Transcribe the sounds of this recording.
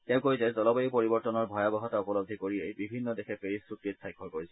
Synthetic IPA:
tɛʊ̃koɹizɛzɔlɔbejpoɹibɔɹtɔnɔɹbʱɔjabɔxɔtaupɔlɔb̚d̪ʱikoɹiejbibʱinːɔdexʰɛpeisɹukɹitsʰajkʰːɔɹkoɹisɛ

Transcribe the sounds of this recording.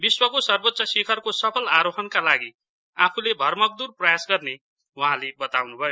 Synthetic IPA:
biswʌkosʌrbot̪ːsʌsikʰʌrkosʌpʰʌlaɾoɦʌnkalaɡi | apʰulebʱʌrmʌk̚d̪urprʌjasɡʌrne | wuɦãlebʌt̪awnubʱʌjo

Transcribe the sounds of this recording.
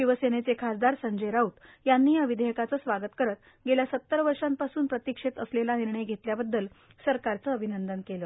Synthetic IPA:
iʋəsenet͡sekʰasd̪aɾsəɲd͡ʑeɾaut̪ | janːiːjaʋid̪ʱejəkat͡səːsʋaɡət̪kəɾət̪ | ɡeljasət̪ːəɾʋəɾʂampasuːnpɾət̪ikʂet̪əslelaniɾɳəjɡʱet̪ljabəd̪ːəl | səɾkaɾt͡səːbʱinənd̪ənkelə

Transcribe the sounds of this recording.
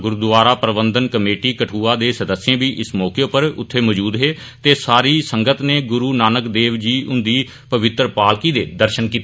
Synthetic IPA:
ɡʊɾuːd̪ʋaːɾaːpɾəbənd̪ənkəmeːʈiːkəʈʰuːaːd̪eːsəd̪əsːjẽːbiːʔɪsmɔːkeːopəɾʊ̰t̪ʰːeːməːd͡ʒuːd̪ɦeː | t̪eːsaːɾiːsəŋɡət̪neːɡʊɾuːnaːnəkd̪eːʋd͡ʒiːʔʊnd̪iː | pəʋɪt̪ɾəpaːlkiːd̪eːd̪əɾʃənkiːt̪ː

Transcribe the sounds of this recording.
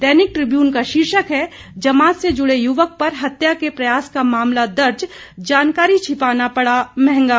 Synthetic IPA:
d̪ɛːnɪk̚ʈɾɪbjuːnkaʃɪɾʃəkɦɛ | d͡ʒɐmaːt̪sed͡ʒʊɽejʊʋək̚pɐɾɦɐt̪jakepɾɐjaːskamaːmlad̪ɐɾd͡ʒ | d͡ʒaːnkaːɾit͡ʃʰɪpaːnapɐɽamɛ̃ɦɛ̃ŋɡaː

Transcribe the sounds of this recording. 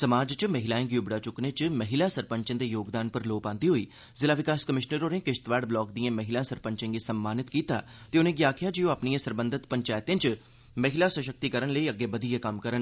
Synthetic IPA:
səmaːd͡ʒt͡ʃməɦɪlaːẽŋɡiʊbɽaːt͡ʃʊknẽːt͡ʃməɦɪlaːsəɾpə̃ɲt͡ʃə̃ːd̪eːjoːɡd̪aːnpəɾloːpãːnd̪iːɦoiː | zɪlaːʋɪkaːskəmɪʃnəɾoːnẽːkɪʃt̪ʋaːɖblɔːk̚d̪ijãːməɦɪlãːsəɾpəɲt͡ʃẽŋɡiːsəmːaːnɪt̪kiːt̪a̰ːt̪eːʊnẽːɡjaːkʰɪjaːd͡ʒiːõapnijãːsəɾbə̃nd̪ət̪pəɲt͡ʃaːjɪt̪ẽːt͡ʃ | məɦɪlaːswəʃək̚t̪iːkəɾənləiːəɡːeːbəd̪ijaːkəmkəɾən

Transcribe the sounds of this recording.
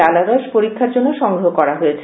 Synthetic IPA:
alad̪aʃpoɾikʰːaɾd͡ʑonːoʃɔŋɡɾoɦokɔɾaɦoet͡ɕʰe

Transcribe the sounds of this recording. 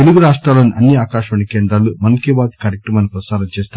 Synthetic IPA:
eluɡuɾaːʂʈɾaːloːniʔɐnːiaːkaːʃʋɐɳikeːnd̪ɾaːlumɐnkeːbaːt̪kaːɾek̚ʈɾɐmɐnipɾɐsaːɾɐmt͡ʃeːst̪ː

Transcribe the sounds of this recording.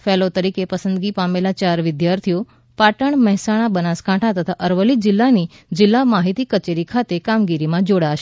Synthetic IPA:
felot̪əɾikepəsənd̪ɡipamelat͡ʃaɾʋɪd̪jaɾt̪ʰijo | paʈəɳməɦɛsaɽ̃abənaskãʈʰat̪ət̪ʰaʔəɾʋəlid͡ʒɪlːanid͡ʒɪlːamaɦit̪ikət͡ʃeɾikʰat̪ekamɡiɾimãd͡ʒoɽaʃe

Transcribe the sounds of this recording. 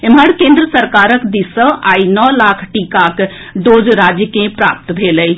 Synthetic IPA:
eməɽkẽnd̪ɾəsəɾkaɾəkd̪isə̃ʔainɔlakʰʈikak | ɖod͡ʒɾad͡ʒjəkẽpɾa̰p̚t̪bʱeləj

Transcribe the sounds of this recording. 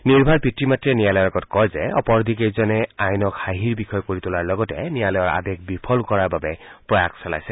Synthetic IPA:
niɹbʱaɹpitɹimatɹɛnijalɔjɔkɔtkɔjzɛɔ̰pɔɹd̪ʱikejzɔnɛajnɔkhaɦiɹbixʰɔjɔkoɹitʊlaɹlɔɡɔtɛ̰nijalɔjɔɹa̰dek̚bipʰɔlkɔɹaɹbabɛpɹɔjakʰsɔla̰jsɛ

